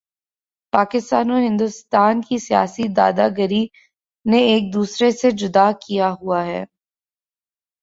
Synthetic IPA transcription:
paːkɪst̪aːnoɦɪ̃nd̪ʊst̪aːnkisija̰ːsid̪a̰ːd̪aɡəɾi | neeːk̚d̪uːsɾesed͡ʒʊd̪akijaɦuaɦɛ̰ː

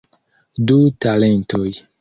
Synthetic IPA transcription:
dutale̞ntoj

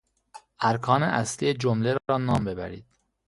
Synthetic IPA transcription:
ʔæɾkʰɒːneʔæslijed͡ʒomleɾɒːɾɒːnɒːmbe̞bæ̰ɾḭːd̪̥

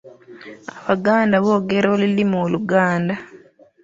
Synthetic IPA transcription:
aβaɡaːndaβo̞ːɡe̞ɾoːlilimoːluɡaːnda

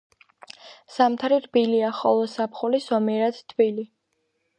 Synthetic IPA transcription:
samt̪ʰɾiɾbiliaχɔ̰lˠɔsapʰχulisɔmiɾad̪t̪ʰvili

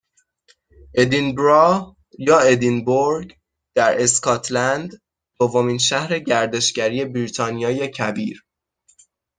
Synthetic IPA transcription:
ʔe̞d̪inbɾɒh | jɒːed̪inboɾɟ | d̪̥æɾʔe̞skʰɒːt̪ʰlænd̪ | d̪̥ovːo̞miːnʃæhɾe̞ɟæɾd̪e̞ʃɟæɾiːe̞bɾit̪ʰɒːnijɒːjecʰæbiːɾ

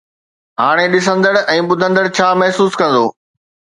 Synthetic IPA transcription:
ɦaːɽ̃eɗɪs̬ə̃nd̪əɽɛ̃ːɓʊd̪ʱə̃nd̪əɽt͡ɕʰaːmɛɦsuːskɐ̃nd̪o̰ː

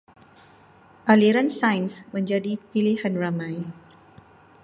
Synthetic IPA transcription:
ʔaliɾansãjnsməɲd͡ʒadipilihanramãj

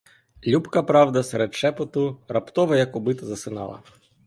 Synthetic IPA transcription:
lʲupkɐpɾɑwd̪ɐsɛɾɛd̪t͡ʃɛpɔt̪ʊrɐpt̪ɔʋɐjɐkɔbɪt̪ɐzɐsɪnɑ̰lˠɐ̰

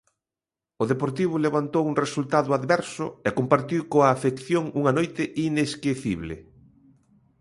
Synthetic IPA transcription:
ʊðepoɾt̪iβ̞ʊleβant̪owuŋresult̪aðʊaðβɛɾsʊɛkompaɾt̪iwkoaːfekθjoŋuŋɐnojt̪ɪʔineskeθiβlḛ

